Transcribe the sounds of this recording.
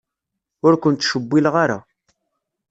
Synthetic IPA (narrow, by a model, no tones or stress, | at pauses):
ʊɾkʷʊnt̪ːʃəbːilʁaɾa̰